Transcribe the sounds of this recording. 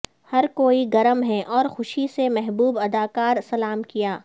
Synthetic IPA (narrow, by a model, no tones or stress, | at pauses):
hɐɾkoːiɡɐɾəmɦɛʔɔːɾxʊʃisemɛɦbuːbɐd̪aːkaːɾsɐlaːmkijaː